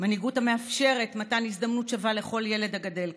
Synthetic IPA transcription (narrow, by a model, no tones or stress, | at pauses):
maniɡutame̞afʃe̞ʁe̞tmatanisdamnutʃavale̞χo̞lje̞le̞dhaɡade̞l